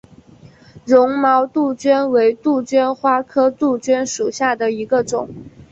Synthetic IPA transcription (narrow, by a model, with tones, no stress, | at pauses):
ɻʊ˧˥ŋmɑ˧˥ʊt̪u˥˩t͡ɕɥɛ˥nwe˧˥ɪt̪u˥˩t͡ɕɥɛ˥nxwa˥kʰɤ˥t̪u˥˩t͡ɕɛ˥nʂu˨˩ɕja˥˩d̪ə˩i˧˥ɡə˧ʈ͡ʂʊ˨˩˦ŋ